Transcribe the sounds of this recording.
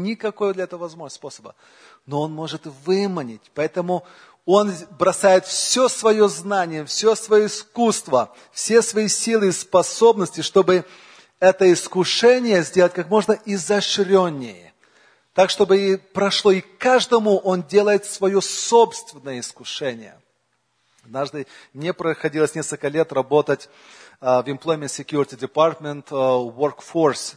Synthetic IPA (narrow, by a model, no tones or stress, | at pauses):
nʲɪkɐko̞jd̪lʲɐɛt̪əvəvɐzmospo̞səbə̰ | no̞onmo̞ʐɨt̪vɨmənʲɪtʲpɐɛt̪əmʊ | o̞nbɾɐsajɪt̪fsʲosvɐjo̞znanʲɪjəfsʲosvɐjoɪskust̪və | fsʲesvɐisʲilˠɨɪspɐso̞bnəsʲtʲɪʂt̪o̞bɨ | ɛt̪əɪskʊʂɛnʲɪjəzʲdʲeətʲkakmo̞ʐnəɪzɐʂɾʲonʲːɪjɪ̰ | t̪akʂt̪o̞bɨipɾɐʂlˠo̞ɪkaʐd̪əmʊʔondʲe̞lˠəjɪt̪svɐjoso̞pst̪vʲɪnːəjəɪskʊʂɛnʲɪjə̰ | ɐd̪̚naʐd̪ɨnʲɪpɾəxɐdʲiləsʲnʲeskəlʲkəlʲe̞t̪rɐbo̞t̪ətʲ | vɪmplˠojmʲɪnt̪sʲɪkʲjuɾʲɪtʲɪdʲɪpart̪mʲɪnt̪workfors